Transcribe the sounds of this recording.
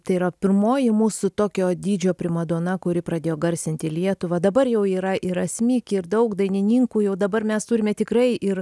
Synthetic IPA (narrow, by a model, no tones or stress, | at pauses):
t̪ɐɪiɾɐpʲɪrmoːjɪmuːsʊt̪oːkʲoːd̪ʲiːd͡ʒʲoːpʲɾʲɪmɐd̪oːnɐkʊɾʲɪpɾɐd̪ʲeːjoːɡɐɾʲsʲɪnʲt̪ʲɪlʲiɛt̪ʊʋɐd̪ɐbɐrjɛʊiːɾɐʔɪɾɐsʲmʲiːkʲɪrd̪ɐʊkd̪ɐɪnʲɪnʲiːŋkuːjɛʊd̪ɐbɐrmʲɛst̪uːɾʲɪmʲɛt̪ʲɪkɾɐɪʔɪr